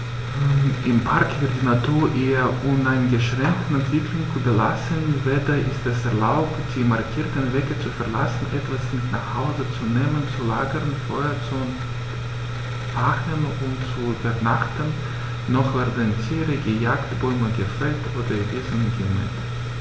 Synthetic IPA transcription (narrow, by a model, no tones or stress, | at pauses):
ʔɪmpʰaɐkv̥ɪɐt̚d̥iːnatʰuːɐʔeːɐʔʊnaɪnɡəʃʁ̥ɛŋk̚tn̩ɛntv̥ɪklʊŋsubɐla̰sənveːdɐʔɪstɛsɛɐlaʊptd̥iːmaɐkʰiːɐtənvɛːɡət͡sufɛɐlasn̩ʔɛtv̥asɪtnaːχhaʊzət͡suneːmənt͡sulaːɡəʁnfɔət͡su | vaχən | ʊmt͡suybɐnaχtənː | ɔχv̥ɪɐdantʰiːʁiɡəjaːktb̥ɔʏməɡəfɛltʰʔoːdɐʔeːzənɡɛnɛ̰t